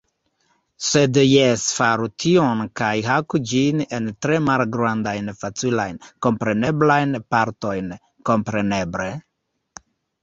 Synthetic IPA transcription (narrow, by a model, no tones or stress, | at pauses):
sedjesfaɾutʰio̞nkajɦakud͡ʒine̞ntɾe̞malɡɾandajnfat͡sila̰jnko̞mpɾe̞ne̞blajnpaɾto̞jn | ko̞mpɾe̞ne̞ble̞